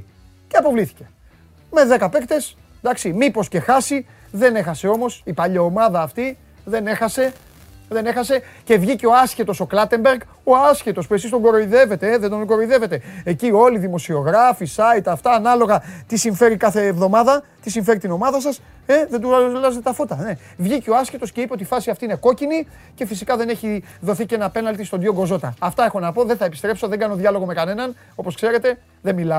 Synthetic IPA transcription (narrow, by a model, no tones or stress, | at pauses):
ceɐpo̞vliθi̥ce̞̥ | me̞ðe̞kɐpe̞kt̪e̞s | nd̪ɐksimipo̞sce̞xɐsi | ðe̞ne̞xɐse̞o̞mo̞sipɐʎɐomɐðɐːft̪i | ðe̞ne̞xɐse̞ | ðe̞ne̞xɐse̞ce̞vʝiceo̞ɐsçe̞t̪o̞so̞klɐt̪e̞mbeɾɡ | o̞ɐsçet̪o̞spuesist̪o̞ŋɡo̞ɾo̞iðe̞ve̞t̪e̞eðed̪onɡo̞ɾoiðe̞ve̞t̪e̞ecio̞liðimo̞sio̞ɣɾɐfisɐit̪ɐft̪ɐːnɐlo̞ɣɐt̪isiɱfe̞ɾikɐθe̞ːvðo̞mɐðɐt̪isiɱfe̞ɾit̪ino̞mɐðɐs̬ɐs | e̞ðe̞nd̪ulɐzet̪et̪ɐfot̪ɐne | vʝiceo̞ɐscet̪o̞sce̞ipeot̪ifɐsiɐft̪ine̞ko̞cini | ce̞fisikɐðe̞ne̞çi | ðo̞θicenɐpe̞nɐlt̪ist̪ond̪ioŋɡo̞zo̞t̪ɐːft̪ɐexo̞nɐpo̞ðeθɐe̞pist̪ɾe̞pso̞ðe̞ŋɡɐno̞ðʝɐlo̞ɣo̞me̞kɐne̞nɐn | o̞po̞skse̞ɾe̞t̪e̞ | ðemilɐ